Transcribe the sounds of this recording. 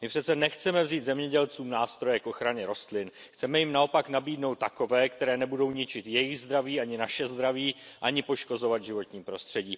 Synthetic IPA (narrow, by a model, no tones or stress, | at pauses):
mɪpr̝̥ɛtt͡sɛnɛxt͡sɛmɛvziːtd̪zɛmɲɛɟɛlt͡suːmnaːst̪ɾo̞jɛkʔo̞xɾaɲɛɾo̞st̪lɪnxt͡sɛmɛjɪmnao̞paknabiːdno̞wt̪ːako̞vɛːkt̪ɛɾɛːnɛbudo̞wɲɪt͡ʃɪt̪jɛjɪɣzd̪ɾaviːaɲɪnaʃɛzd̪ɾaviːʔaɲɪpo̞ʃko̞zo̞vat̪ʒɪvo̞t̪ɲiːpɾo̞st̪r̝̥ɛɟiː